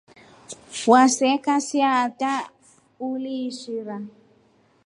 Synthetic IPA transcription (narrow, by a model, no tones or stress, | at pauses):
wasɛkasiata | uliʃiɾa